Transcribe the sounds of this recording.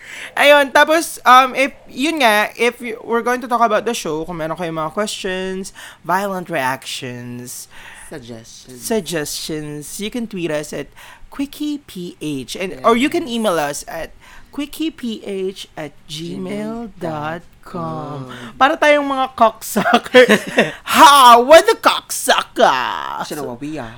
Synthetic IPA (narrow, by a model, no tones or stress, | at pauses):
ʔɐjont̪aːposʔɐmɪfjʊnŋɐʔɪfwɪɹɡowɪŋt̪ʊt̪ɔkɐbaʊt̪̚d̪ɐʃoʊkʊmɛɾõŋkɐjʊŋmɐŋakwɛst͡ʃɔnsvajlɐ̃nt̪ɹiakʃɔ̃ns | sɐɡ̚d͡ʒɛst͡ʃɔ̃nsjʊkɛ̃nt̪wiːɾɐsɐt̪̚kwɪkʰipʰiʔet͡ʃɛ̃nʔɔɹjukɛniːmelɐsɐt̪̚kwɪkʰipʰiʔet͡ʃʔɐt̪̚d͡ʒimeld̪ɔt̪̚kʰɔmpaːɾɐt̪aːjoŋmɐŋakɔksɐk | hawɐd̪ɐkɔksɐk̚ɐ̰ | wi